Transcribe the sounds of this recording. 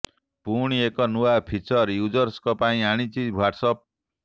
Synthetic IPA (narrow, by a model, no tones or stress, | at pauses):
puɽ̃iekɔnuapʰit͡ʃɔɾjud͡ʒɔɾskɔpaĩaɽ̃it͡ʃiwaʈsɔp̚